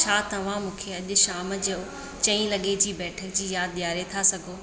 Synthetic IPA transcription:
t͡ɕʰaːt̪ɐʋ̤ãmũːkʰeɐʄʊ̆ʃaːmd͡ʑɐo | t͡ɕɐ̃ĩlɐɠed͡ʑiːbɛːʈʰəkd͡ʑiːjaːd̪̚ɗ̪ijaːɾet̪ʰasɐɡʱoː

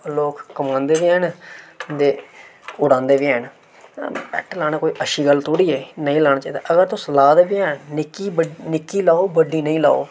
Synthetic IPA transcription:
loːkːəmãːnd̪eːʋiːɛːnd̪eːʊɽãːnd̪eːʋiːɛn̰ | pɛ̰ːʈlaːñaːkoːiːʔəʃiːɡəlt̪ʰoːɽiːeːnəĩːlaːɽ̃aːt͡ʃaːiːd̪a̰ːʔəɡəɾt̪ʊslaːd̪eːbiːɛːnɪkiənɪkːiːlaːoːbəɖiːnəĩːla̰ːo̰ː

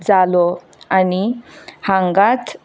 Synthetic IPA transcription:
d͡zalɔ | anihãŋɡat̪

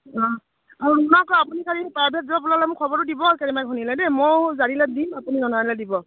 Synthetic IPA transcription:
ɔ | nɔkɔapunikʰaɹipaɹbʱɛt̚zɔpulalɛmʊkʰɔbɔɹudibɔkeɹimaɡʱɔnilɛnɛmojzanilɛdimapunizɔnɔanilɛdibɔ

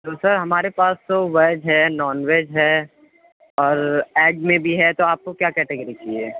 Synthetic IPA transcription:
d̪oːsəɾɦɐmaːɾepaːst̪oʋed͡ʒɦɛnɔːnweːd͡ʒɦɛ | ɔːɾɛːɖmẽbʱiɦɛt̪oaːp̚kokjaːkɛːʈeɡəɾikiḛː

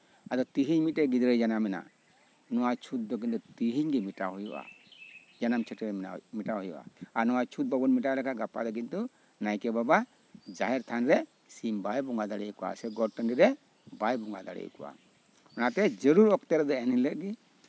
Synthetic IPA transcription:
ad̪ɔt̪iɦiɲmit̪̚ɛɡid̪ɾəjd͡ʒanamɛna̰ | nɔwat͡ʃʰut̪̚d̪ɔk̬ind̪ɔt̪iɦiɲɡɛmiʈaɦujṵʔa̰ | d͡ʒanamt͡ʃʰɛʈɛɾmiʈahɔjṵʔa̰aɾnɔwat͡ʃʰut̪̚babɔnmiʈalɛkʰaʔɡapad̪ɔkint̪u | najkɛbaba | d͡ʒaɦɛɾt̪ʰanɾɛ | simbajbɔŋɡad̪aɽɛjukɔʔa̰sɛɡɔʈəniɾɛ | bajbɔŋɡad̪aɽɛ̰jṵkɔʔa̰ | ɔnat̪ɛd͡ʒəɾuɾɔk̚t̪ɛɾɛd̪ɔɛnilɛʔ̪̚ɡɛ

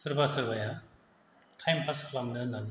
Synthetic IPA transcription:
sɯɾbasɯɾbaja | tʰajmpʰaskʰlamnɯnali

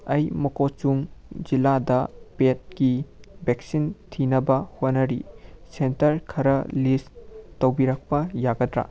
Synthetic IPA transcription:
ɐjmɐkot͡ʃuŋd͡ʒiladɐpet̚kibek̚sintʰinɐbɐhonɐɾisentɐɾkʰɐɾɐlistɐwbiɾɐk̚pɐjaɡɐdɾa̰

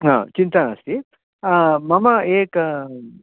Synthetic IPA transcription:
ɦã̰ːt͡ʃint̪ɐnɐst̪i | mɐmɐeːk

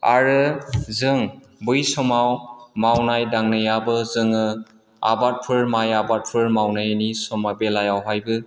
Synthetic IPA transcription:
a̰ɾɯzɯŋ | bujsɔmawmawnajdaŋnɯjabɯzɯŋɯ | a̰bat̚pʰɯɹmajabat̚pʰɯɾmawnajnisɔmabelajawɦajbɯ

